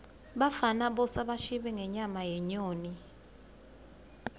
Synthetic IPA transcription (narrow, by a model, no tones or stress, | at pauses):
ɓafanaɓɔsaɓaʃiɓɛŋɛɲamajɛɲoːni